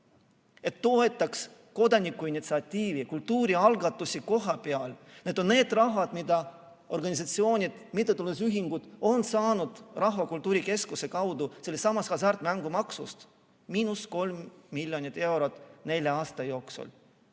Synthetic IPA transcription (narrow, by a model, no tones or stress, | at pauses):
e̞t̪ːo̞e̞t̪ːˑɑks | ko̞d̪̥ɑnikːˑuinit̪siɑt̪ʲːiːvikult̪ːuːɾiɑlɡɑt̪ːˑusiko̞ɦɑpeɑlne̞d̪o̞nne̞ːd̪rɑɦɑd̪̥mid̪̥ɑ | o̞rɡɑnʲis̬ɑt̪sio̞ːnʲid̪̥mit̪ːet̪ːulesyɦiŋɡ̥ud̪̥o̞nsɑːnud̪̥rɑɦvɑkult̪ːˑuːɾike̞skuse̞kɑwd̪uselːesɑmɑskɑs̬ɑrt̪ˑmæŋɡumɑksṵst̪ | miːnusko̞lmːilʲjonʲit̪ːˑe̞wɾot̪ːˑne̞lʲjɑɑːst̪ɑjo̞ːksṵlʲ